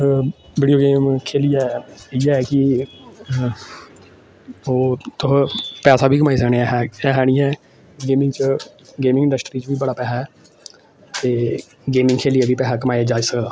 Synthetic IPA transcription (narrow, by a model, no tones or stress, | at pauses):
biːɖijoːɡeːmkʰeːlijɛːeɛːkɪ | oːt̪ʊɦpɛːsaːbʱiːkəmaːiːsəkneɛɦɛːɛːɦaːɽ̃iːɛː | ɡeːmɪ̃ŋɡt͡ʃ | ɡeːmɪŋɡɪɳɖəsʈɾiːt͡ʃʋiːbəɽaːpɛːsaːɛː | t̪eː | ɡeːmɪ̃ŋɡkʰeːlijɛːbiːpɛːsaːk̬əmaːjaːd͡ʒaːd͡ʒsəkd̪aː